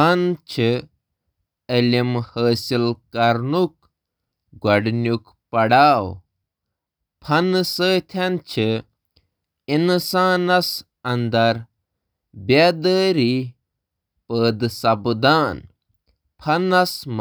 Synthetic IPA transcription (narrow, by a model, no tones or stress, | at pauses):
ɐnt͡ʃʰɨ | əlʲimhəːsilkɐɾnuk̚ | ɡɐɽnʲuk | pɐɽaːw | pʰɐnɨsəːt̪ʰɐnt͡ʃʰɨ | insaːnɐs | ɐnd̪ɐɾ | bad̪əːɾi | pəːd̪sɐbd̪aːn | pʰɐnɐsm